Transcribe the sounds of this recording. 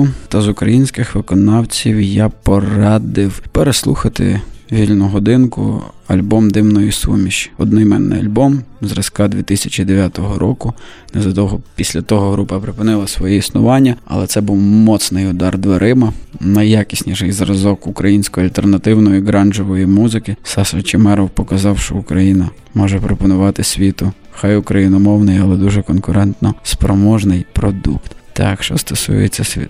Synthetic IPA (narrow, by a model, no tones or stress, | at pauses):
ʊt̪ɐzʊkɾɐjinʲsʲkɪxʋɪkɔnɑwt͡sʲiwjɑpɔrɑd̪ɪwpeɾeslˠuxɐt̪ɪ̰ʋʲilʲnʊɦɔd̪ɪnkʊ̰ | ɐ̰lʲbɔmd̪ɪmnɔjʊsṵmʲiʃɔd̪̚nɔjmɛ̰nːɪ̰jɐ̰lʲbɔmzɾɐskɑd̪ʲʋʲit̪ɪsʲɐt͡ʃid̪eʋʲjat̪ɔɦɔɾʔɔkʊ | nɛzɐt̪ɔɦɔpʲisʲlʲɐt̪ɔɦɔɦɾupɐpɾɪpɪnɪlˠɐsʋɔjɛisnʊʋɑnʲːɐɐ̰lˠɛt̪ɛbuwmɔt̪snɪjʊd̪ɑrd̪ʋɐɾʔɪmɐnɐjakʲisʲnʲiʃɛjzɾɐzɔkʊkɾɐjinʲsʲkɔjiɐlʲt̪ernɐt̪ɪwnɔjʊɡɾɑnd͡ʒɔʋɔjimuzɪkɪsɑsɐt͡ʃɪmɛɾɔwpɔkɐzɑwʃt͡ʃɔ̰ʊkɾɐjinɐ | mɔʒɛpɾɔpɔnʊʋɑt̪ɪsʲʋʲit̪ʊxɑjʊkɾɐjinɔmɔwnɪjɐlˠɛd̪uʒɛkɔnkʊɾɛnt̪nɔspɾɔmɔʒnɪjpɾɔd̪ṵkt̪t̪ɑ̰kʃt͡ʃɔ̰st̪ɔsṵjet͡sʲːɐsʲḭ